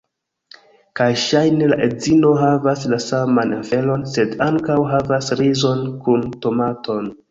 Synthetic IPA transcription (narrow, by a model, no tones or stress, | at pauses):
kajʃajne̞laʔe̞zino̞ɦavaslasamanemfe̞lo̞nse̞daŋkawɦavasɾizo̞nkunto̞mato̞n